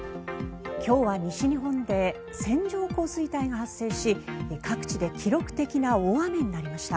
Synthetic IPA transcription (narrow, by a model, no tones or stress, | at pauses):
kʲo̞ːβaɲ̟iɕiɲ̟iɦõ̞nd̪e̞ | sẽ̞ɲd͡ʑo̞ːko̞ːsɨit̪aiɡahasːe̞ːɕikʰakɯ̥t͡ɕid̪e̞kʲiɾo̞kɯ̟̥t̪e̞kʲinaoβameɲ̟inaɾʲimaɕi̥t̪a